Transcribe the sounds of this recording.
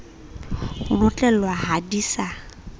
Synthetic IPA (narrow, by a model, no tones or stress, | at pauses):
hʊnʊt͡ɬʼɛl̩wahadiːsa